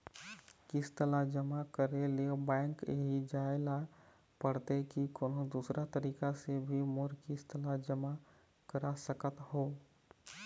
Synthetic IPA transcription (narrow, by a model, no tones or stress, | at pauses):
kɪst̪əlad͡ʒəmakəɾelebɛ̃ːŋkɦid͡ʒaːela | pəɽt̪ekikoːnõd̪uːsɾat̪əɾiːkasebʱimʊɾkɪst̪əlad͡ʒəma | kəɾasəkət̪hoː